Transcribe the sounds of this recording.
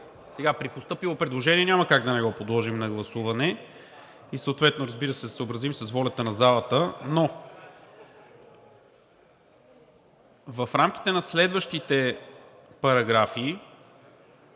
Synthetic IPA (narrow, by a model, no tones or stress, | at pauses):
sɛɡapɾipost̪ɤpivˠopɾɛd̪lˠoʒɛniɛnʲamɐkaɡd̪ɐnɛɡɔpod̪lˠɔʒimnɐɡlˠɐsuvɐnɛ | isəot̪vɛt̪noɾɐzbiɾəsɛsəobɾɐzimsəsvɔlʲɐt̪ənɐzalˠət̪əno | vɐfɾamk̟i̥t̪ɛnɐslɛd̪vəʃt̪it̪ɛ | pɐɾɐɡɾafiː